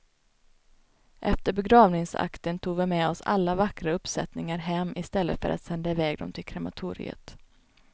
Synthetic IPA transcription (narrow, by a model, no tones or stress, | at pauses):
ʔɛft̪əɾbɛɡɾɑːvnɪŋsa̰kt̪ənt̪ʰuːɡvɪmɛɔsa̰lːavakɾaɵpsɛt̪nɪŋaɾɦɛmːɪst̪ɛlːə̰t̪fœ̰ɾʔa̰t̪sɛnd̪aɪvɛːɡ̚d̪ɔ̰mt̪ʰɪlkʰɾɛmat̪ʰṵːɾɪ̰ə̰t̪